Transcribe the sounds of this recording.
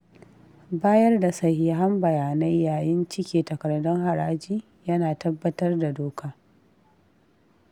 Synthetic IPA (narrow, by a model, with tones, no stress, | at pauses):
baː˦jɐ˦rda˨sɐ˦hja˦ɦa˦mbɐ˨jaː˨na˦jjaː˨jɪ˦nt͡ʃɪ˦kʲeː˨tɐ˨kɐ˨rdɔ˦ŋɦa˨ɾaː˦d͡ʒiː˦ | jɐ˦naː˨tɐ˦bːɐ˦tɐ˦rda˨doː˦kʰaː˦